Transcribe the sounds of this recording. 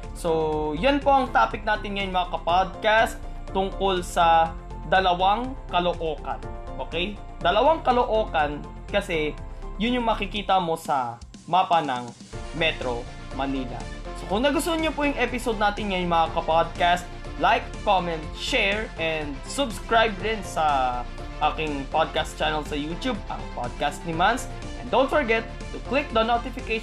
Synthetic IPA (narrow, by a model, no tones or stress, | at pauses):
so̞jɐnpo̞ʔɐŋt̪aːpɪk̚naːt̪ɪnŋɐjʊŋmɐŋakɐpad̪̚kast̪ː | ʊŋko̞lsɐ | d̪ɐlɐwaŋkɐloʔoːkɐ̰nʔo̞ːkɛj | d̪ɐlɐwaŋkɐloʔo̞ːkɐn | kɐsɛjʊnjʊŋmɐkɪkiːt̪ɐmo̞sɐ | maːpɐnɐŋ | mɛt̪ɾo̞ | mɐniːlɐ̰sokʊŋnɐɡʊst̪oɲopʊjʊŋʔɛpɪsod̪̚naːt̪ɪnjɐjʊŋmɐŋakɐpad̪̚kast̪̚ | lajkːomɛnt̪̚ʃɛɹʔɛnd̪̚sʊbskɹajb̚d̪ɪnsɐ | ʔaːkɪŋpad̪̚kast̪̚t͡ʃanɐlsɐjut̪ub̚ɐ̰ŋpad̪̚kast̪̚nɪmans | ʔɛ̰nd̪ownt̪̚fɔɹɡɛt̪ːʊklɪk̚d̪ɐnot̪ɪfɪke